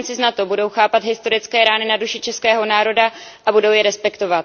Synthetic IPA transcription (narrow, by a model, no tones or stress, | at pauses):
nt͡sɪznat̪o̞budo̞wxaːpat̪ɦɪst̪o̞ɾɪt͡skɛːɾaːnɪnaduʃɪt͡ʃɛskɛːɦo̞naːɾo̞daʔabudo̞wjɛɾɛspɛkt̪o̞vat̪